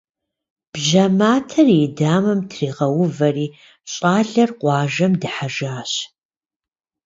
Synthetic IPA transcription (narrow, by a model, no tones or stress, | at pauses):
b̥ʒɐmaːtʰɐridaːmɐmtʰriːʁɐwʊvɐriː | ɕʼaːɮɐrqʷɑːʒɐmdɨħaʒaːɕ